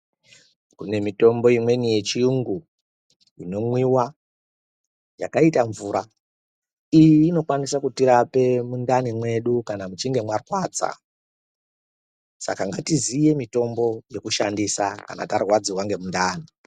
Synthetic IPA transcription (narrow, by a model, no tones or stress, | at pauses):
kune̞mito̞mbo̞imwe̞nije̞t͡ʃiuŋɡu | ino̞mwiwa | ja̰kaitaɱvuɾa | ijiːno̞kwanisakutiɾape̞mundanimwe̞ɗukanamut͡ʃiŋɡe̞mwarwaːd͡za̰ | sa̰kaŋɡatizije̞mito̞mbo̞je̞kuʃandisaka̰na̰tarwad͡ziwaŋɡe̞mundaːni